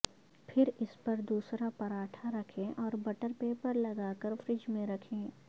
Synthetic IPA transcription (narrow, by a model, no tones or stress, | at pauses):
pʰɪɾɪspɐɾd̪uːsɾapɐɾaːʈʰaɾɐkʰẽʔɔːɾbɐʈəɾpeːpəɾlɐɡaːkəɾfɾɪd͡ʒmẽɾɐkʰẽː